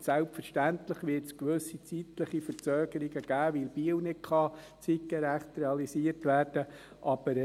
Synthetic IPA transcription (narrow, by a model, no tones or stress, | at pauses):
sælpfəɾʃtæntləχʋɪɾtskʋɵsit͡sitləχifəɾt͡sœːɡ̥əɾiɡəɡ̥æːʋɪlb̥iəwnɪtkʰχɑ | t͡sit̚kəɾæχt̪rɛɑlisiəɾtʋæːrd̥ə | ʔɑb̥əɾ